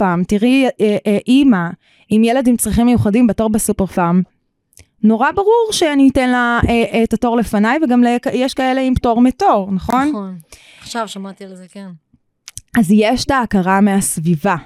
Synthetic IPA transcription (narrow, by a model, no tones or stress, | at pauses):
amtiʁieʔʔima | imjeladimt͡sʁiχimːe̞juχadimbeto̞ʁbesupeʁfam | no̞ʁabaʁuʁʃeanitenlaeʔetato̞ʁle̞fanajveɡamlekjeʃkaeleimto̞ʁmeto̞ʁnaχo̞nn | χʃavʃamat̪ilzekn | azjeʃtaːkaʁameasviva